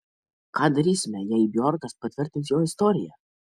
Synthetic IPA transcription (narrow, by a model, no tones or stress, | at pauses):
kɑːd̪ɐɾʲiːsʲɪmʲɛjɛɪjbʲjɔɾkɐspɐt̪ʲʋʲɪɾʲt̪ʲɪnt̪joːɪst̪ɔːɾʲɪjɛ̰